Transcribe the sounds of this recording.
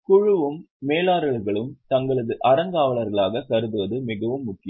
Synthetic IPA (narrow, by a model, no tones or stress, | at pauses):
kʊɻɯʋɯmː | eːlaːɾɐɭɣɐɭɯmt̪ɐŋɡɐɭɐðɯʔɐɾɐŋɡaːʋɐɭɐɾɣɐɭaːɣɐkɐɾɯðɯʋɐðɯmɪɣɐʋɯmːʊkːɪjɯm